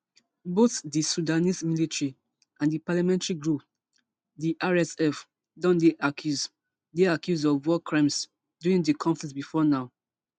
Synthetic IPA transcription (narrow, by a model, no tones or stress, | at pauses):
boθdisudanismilitɹi | ãndipalamɛ̃ntɹiɡɹup | diʔaɹɛsɛf | dɔ̃ndeʔakʰjuz | deakjuzɔvwɔkʰɹãms | duɹĩŋdikʰɔ̃ɱfɛsbifɔnaʊ